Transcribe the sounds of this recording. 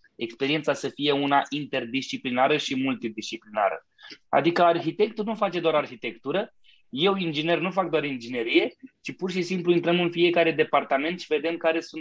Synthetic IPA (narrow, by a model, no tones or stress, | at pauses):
e̞kspe̞ɾie̞nt̪sasəfije̞unaʔint̪e̞rd̪ist͡ʃiplinaɾəʃimult̪id̪ist͡ʃiplina̰ɾə̰ | a̰d̪ikəarçit̪e̞kt̪ulnufat͡ʃe̞d̪oaɾarçit̪e̞kt̪uɾə | je̞wind͡ʒine̞rnufak̚d̪oaɾind͡ʒine̞ɾije̞t͡ʃipurʃisimpluint̪ɾəmɨnfije̞kaɾe̞d̪e̞part̪ame̞nt̪ʃive̞d̪e̞mkaɾe̞sun